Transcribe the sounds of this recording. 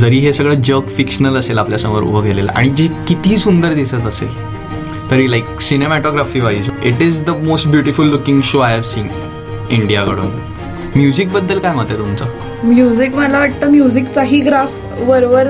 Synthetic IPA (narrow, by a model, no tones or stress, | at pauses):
d͡zəɾiːɦesəɡɭəːd͡ʑəkfikɕənələselapljasə̃ŋʋəɾṵbʱəɡʱelela̰ʔa̰ɽ̃id͡ʑikit̪iːsund̪əɾd̪isət̪əsḛl | t̪əɾʋiːlajk̚sinemæʈoɡɾafiːʋaid͡ziʈizd̪əmosʈbjuʈifulːukĩŋɡɕoajəɾsiːn | iɳɖijakəɽṵːn | mjud͡zik̚bəd̪ːəlkajmət̪et̪umt͡sa | mjud͡zikməlaʋaʈ̚t̪əːmjud͡zikt͡saɦiːɡɾaf | ʋəɾʋəɾ